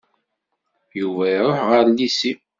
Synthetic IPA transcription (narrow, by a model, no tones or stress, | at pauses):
juvæɾˤoħʁəɾlisi